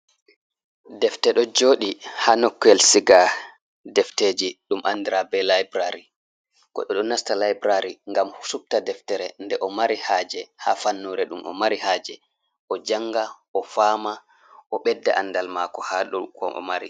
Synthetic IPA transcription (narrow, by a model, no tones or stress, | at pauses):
dɛftɛɗɔd͡ʒoːɗihanɔkːɛlsiɡa | dɛfted͡ʒiɗumʔandiɾabɛlajbɾaɾi | kɔ̰ɗɔɗɔnastalajbɾaɾiŋɡamhusuf̚tadɛftɛɾɛndɛʔɔmaɾihaːd͡ʒɛhaːfanːuɾɛɗumʔɔ̰maɾihaːd͡ʒɛ | ʔɔd͡ʒaŋɡa | ɔfaːma | ʔɔɓɛdːɛʔanːdalmakɔhaɗɔkɔ̰ʔɔ̰maɾḭ